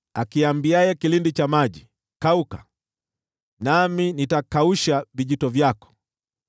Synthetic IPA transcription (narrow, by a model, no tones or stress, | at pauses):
akiambiajɛkilindit͡ʃamaʄi | kauka | naminitakauʃaviʄitɔvjakɔ̥